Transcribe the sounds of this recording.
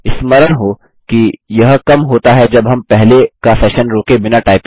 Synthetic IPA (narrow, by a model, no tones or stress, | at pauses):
ɪsmɐɾəɽɦo | kijɐɦkɐmɦoːt̪aɦɛd͡ʒɐbɦɐmpɛɦlekasɛːʃənɾoːkebɪnaʈaːɪp